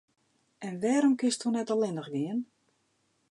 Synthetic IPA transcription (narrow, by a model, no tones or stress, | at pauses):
ɛnʋɛːɾɔmkɪstunɛtɔlɪnəxɡɪən